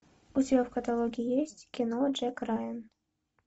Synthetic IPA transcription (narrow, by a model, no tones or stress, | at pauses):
utʲbʲafkat̪alˠoɡʲiijesʲtʲkʲinod͡ʒɛkrɑjən